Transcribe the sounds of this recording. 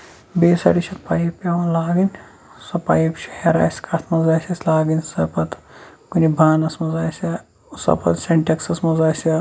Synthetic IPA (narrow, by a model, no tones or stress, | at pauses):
beːsɐ̰ɽisʲɐpaːjipʲɐwɐnlaːɡin | sɐpa̰ːjipt͡ʃʰi̥heɾa̰ːsʲkʰasʰmɐzaːsʲɐsʲlaːɡinsɐpɐt̪kunibʱaːnɐsmɐzaːsʲɐ | sɐ̰pɐ̰t̪sʲeɳʈeksɐsmɐzaːsʲɐ